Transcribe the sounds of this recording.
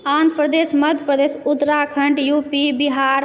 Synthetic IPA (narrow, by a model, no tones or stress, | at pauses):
aːnd̪̚pɾəd̪eːsmɐd̪ʱəpɾəd̪eːsʊt̪ɾaːkʰəɳʈjuːpibɪɦaːɾ